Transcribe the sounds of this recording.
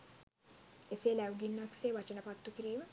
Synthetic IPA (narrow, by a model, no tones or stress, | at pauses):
eseːlæwɡinːʋakseːʋɐt͡ʃənəpat̪ːukiɾiːmə